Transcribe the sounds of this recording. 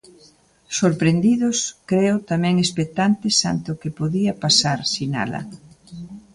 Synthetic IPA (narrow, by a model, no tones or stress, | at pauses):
soɾpɾend̪iðʊskɾeʊt̪amɛ̃ŋespek̚t̪ant̪ɪsa̰nt̪ɪʊkɪpoðiɐpasaɾsina̰lɐ̰